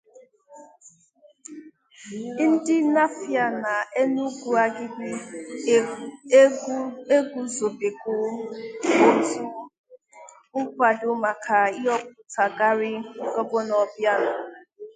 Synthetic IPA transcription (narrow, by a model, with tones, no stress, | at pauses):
n̩˦dɪ˦na˦fja˨na˨e˦nu˦ɡʷu˨a˨ɡɪ˦ɡʷi˦ | e˦ɡu˨zo˨be˨ɡʊ˨˦ | o˦tu˦ | ʊ˦kʷa˨dʊ˦ma˨kʰa˨ɪ˦ɔ˦k̚ʊ˨ta˨ɡa˦ɾɪ˦˨ɡɔ˦bʊ˦nɔ˨bja˦nʊ˨